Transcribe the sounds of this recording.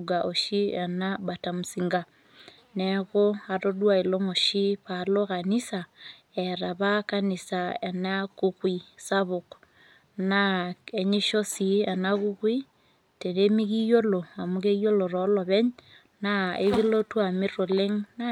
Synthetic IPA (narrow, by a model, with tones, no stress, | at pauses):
ɡaʔo˨ʃi˦a˨na˦bata˨mu˨siŋɡa˨ | nɛɣo˦a˨ɾo˦dwa˦˨i˨lo˦ŋo˨ʃi˦pa˨lo˦ka˨ni˦sa | ɛ˨ɾaβa˦kani˨sae˨na˦kukwi˦saβo˨k | nae˨ɲe˦ʃo˦si˨a˨naɣu˦kwi˦ | te˨ne˦mi˦ɣi˦jo˦lo˨a˨muɣe˦jo˦lo˨ɾɔ˨˦lɔ˨βɛ˦ɲ | naḛ˦ɣi˦lo˦twa˨mi˦ɾo˨le˦ŋna